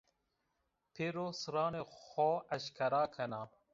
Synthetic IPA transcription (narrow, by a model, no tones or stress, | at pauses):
pʰeɾosɾɑːnexoːɐɕkʰɐɾaːkʰɐnaː